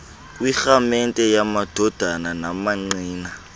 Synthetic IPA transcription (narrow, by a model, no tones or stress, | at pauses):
k̬ʼwixamɛntʼɛjamad̥ʱɔd̥ʱananamaŋ͡ǀiːna